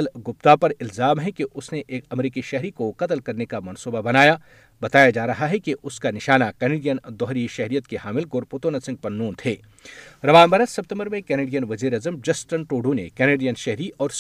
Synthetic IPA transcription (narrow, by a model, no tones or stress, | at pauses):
lɡʊp̚t̪apɐɾɪlzaːmɦɛkeʔʊsneʔeːkɐmɾiːkiʃɛɦɾikoqɐt̪lkɐɾnekamɐnsuːbabɐnaːja | bɐt̪aːjad͡ʒaːɾɐɦaɦɛkeʔʊskanɪʃaːnakɛːneːɖijənd̪ɔɦɾiʃɛɦɾijət̪keɦaːmɪlɡʊɾpʊt̪oːnəsɪ̃ŋɡ̚pɐɾnuːnt̪ʰeː | ɾɐʋaːnbɐɾəssɐp̚t̪ə̃mbəɾmẽkɛːneːɖijənʋɐziːɾɐzəmd͡ʒɐsʈənʈoːɖunḛkɛːneːɖijənʃɛɦɾiʔɔːɾs